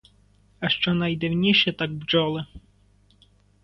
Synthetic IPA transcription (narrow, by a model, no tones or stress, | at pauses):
ɐʃt͡ʃɔnɐjd̪ɪwnʲiʃɛt̪aɡ̚bd͡ʒɔlˠɪ